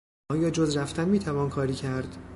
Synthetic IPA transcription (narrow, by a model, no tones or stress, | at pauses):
ɒːjɒːd͡ʒozɾæft̪ænmiːt̪ʰævɒːnkʰɒːɾiːcʰæɾd̪̥